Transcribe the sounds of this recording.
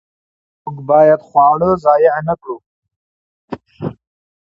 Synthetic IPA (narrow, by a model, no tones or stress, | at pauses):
mukbɑjad̪χwɑɽəzɑjanakɽu